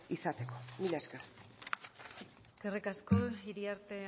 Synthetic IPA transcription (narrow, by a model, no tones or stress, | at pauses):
isat̪ekomilaesker | kerikaskoiɾiaɾt̪e̞